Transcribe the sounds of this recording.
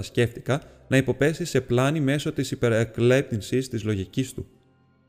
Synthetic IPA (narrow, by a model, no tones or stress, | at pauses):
ɐsce̞ft̪ikɐ | nɐipo̞pe̞sise̞plɐnime̞so̞t̪isipe̞ɾekle̞p̚t̪insist̪izlo̞ʝicist̪u